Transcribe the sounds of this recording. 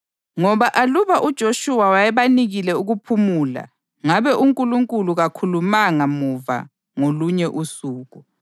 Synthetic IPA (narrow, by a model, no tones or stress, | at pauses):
ŋɔβaʔaluβaʔud̥ʒ̥ʱoʃuwawajɛβaniɣilɛuɣupʰumuːla̰ | ŋaβɛʔuŋkʼuluŋkʼuluɣakʰulumaŋamuva̰ | ŋoluɲɛʔusuːɣu